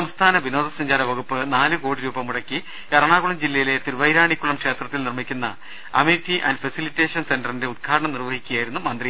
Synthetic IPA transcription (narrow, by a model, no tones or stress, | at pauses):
sɐmst̪ʰaːnɐʋino̞ːd̪ɐsɐɲd͡ʑaːɾɐʋɐɣupːɨnaːlɨko̞ːɽiɾuːbɐmuɽɐkːi | ɐɾɐɳaːɣuɳɐmd͡ʑilːɐjile̞t̪iɾʋɐjɾaːɳikʲːuɭɐmkʂe̞ːt̪rɐt̪ːilnirmikʲːunːɐ | ɐmitːiʔɐ̰ndfɐsilitːe̞ːʂɐnse̞ndɐrinde̞ud̪̚kʰaːɾɐɳɐmnirʋɐhikʲːujaːjɾunːumɐnd̪ri